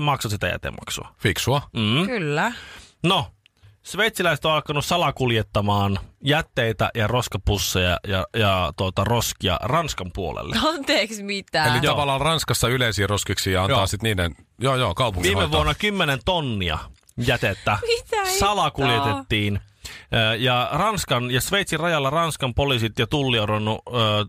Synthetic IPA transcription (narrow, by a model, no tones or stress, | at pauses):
mɑksosit̪æjæ̰t̪ḛmɑ̰ksṵɑfiksuɑm̩kylːæno | sʋeit̪silæise̥t̪oɑlkɑnussɑlɑkuljet̪ːɑmɑːnjæt̪ːeit̪æ̰jɑroskɑpusːejɑ̰jɑjɑt̪uot̪ɑroskiɑ̰rɑnskɑmpuo̰lḛlːeɑnt̪eːksmit̪æelijɑʋɑlːɑːlrɑnskɑsːɑyleisiːroskiksiːjɑɑnɑːsit̪niːdenjoːjoːkɑupṵŋʋiːmːeʋʋuonːɑkymːenent̪onːiɑ̰ | jæt̪et̪ːæmit̪æsɑlɑkuljet̪et̪ːiːn | jɑrɑnskɑnjɑsʋeit̪sirɑjɑlːɑrɑnskɑmpolisit̪jɑt̪ulːioɾonːuøː